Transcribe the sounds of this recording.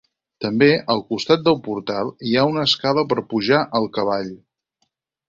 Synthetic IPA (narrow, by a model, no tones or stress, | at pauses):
t̪əmbeʔəlˠkust̪at̪̚d̪əlˠpuɾt̪alˠiaunəskaləpəɾpuʒaʔəlˠkəβ̞aʎ